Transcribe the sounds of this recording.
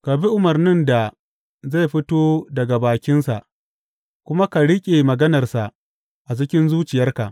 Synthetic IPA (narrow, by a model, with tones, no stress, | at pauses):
ka˨bi˦ʔʊ˨mɐ˨rnɪ˦˨nda˨ | za˦˨jɸɪ˦toː˦dɐ˨ɡa˨baː˨kʲɪ˦nsa˨ʔ | kʷʊ˦ma˦ka˨ɽɪ˦kʲʼe˨mɐ˨ɡɐ˦nɐ˨rsa˨ʔ | ʔa˨d͡ʒɪ˦kʲɪ˦nzuː˦t͡ʃɪ˨jɐ˦rka˨ʔ